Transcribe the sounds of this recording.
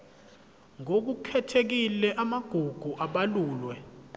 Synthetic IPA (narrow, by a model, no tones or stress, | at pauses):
ŋok̬ukʰɛtʰek̬ilɛʔamaɡ̥ʱuɡ̥ʱuʔaɓaluːlwɛ